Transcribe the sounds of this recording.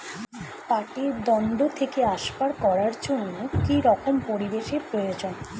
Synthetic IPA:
paʈeɾd̪ɔnɖot̪ʰekeaʃpaɾkɔɾaɾd͡ʑonːokiɾɔkompoɾid̪eʃeɾpɾojod͡ʑon

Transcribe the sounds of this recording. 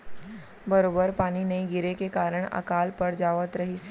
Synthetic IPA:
bɐɾoːbəɾpaːninɐĩɡɪɾekekaːɾəɽ̃ɐ̰kaːlpəɾd͡ʒaːʋət̪ɾɐɦis

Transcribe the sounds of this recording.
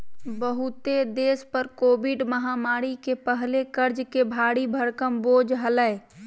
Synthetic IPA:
bəɦʊt̪ed̪eːspəɾkoːbɪɖməɦaːmaːɾikepəɦlekəɾd͡ʒkebʱaːɽibʱəɾkəmboːd͡ʒɦələe

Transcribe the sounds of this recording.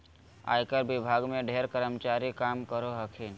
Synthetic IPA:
a̰jkəɾbɪbʱaɡmẽɖʱeɾkəɾəmt͡ʃaɾikamkəɾoɦəkʰin

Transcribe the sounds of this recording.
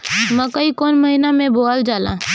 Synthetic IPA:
mɛ̃kəikoːnməɦinamẽboːld͡ʒaːlãː

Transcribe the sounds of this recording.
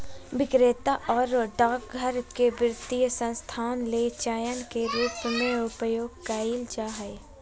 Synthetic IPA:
ʋɪkɾeːt̪aʔɔːɾɖaːkɡʱəɾkeʋɾɪd̪ijəsə̃nst̪ʰaːnleːt͡ʃaːjənkeɾuːpmẽʊpəjoːɡ̚kaːild͡ʒaːɦɛe

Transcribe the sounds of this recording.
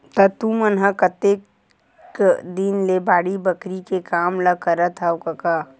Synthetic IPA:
t̪ɐt̪ũmɐnɦɐkɐt̪eːk | d̪inlebaːɽibɐkɾikekaːmlɐkɐɾət̪ʰawkɐka

